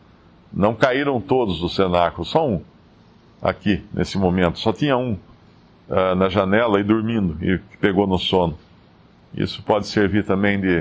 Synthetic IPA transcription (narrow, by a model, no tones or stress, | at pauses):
nɐ̃w̃kaiɾɐ̃w̃t̪od̪ʊzd̪ʊsenakʊlʊsɔũ | a̰kinʔḛsɪmomẽnt̪ʊ̥sɔt̪ĩɲɐũ | ɛnɐʒanɛlɐɪd̪ʊɾmĩnd̪ʊɪ̰kɪ̥peɡonʊsõnʊ | ḭsʊ̥pɔd̪ɪseɾviɾt̪ɐ̃mbẽj̃d̪ɪ